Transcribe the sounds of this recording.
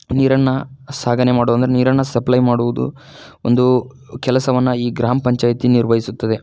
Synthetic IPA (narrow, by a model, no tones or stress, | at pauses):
niːɾɐnːɐsaːɡɐnemaːɽoːɐnd̪ɾeniːɾɐnːɐsɐplɐjmaːɽuʋud̪ṵ | o̰nd̪u | kɛlɐsɐʋɐnːɐiːɡɾaːmɐpɐɲt͡ʃaːjt̪iniɾʋɐɦisut̪ːɐd̪e̞